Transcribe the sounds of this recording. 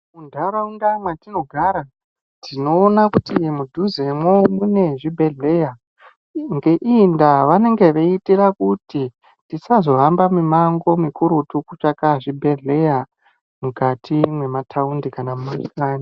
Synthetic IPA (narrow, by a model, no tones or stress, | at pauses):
undaraundamwatino̞ɡʱaɾa | tino̞ːnakutimudʱuzemwomune̞ʐibʱe̞ɮe̞ja | ŋɡe̞ʔindaʋane̞ŋɡe̞ʋeitirakuti | tisazo̞ɦambamimaŋɡo̞mikuɾutukut͡ʂakaʐibʱe̞ɮe̞ja | mukatʰimwe̞matʰaundikanamumaskaːni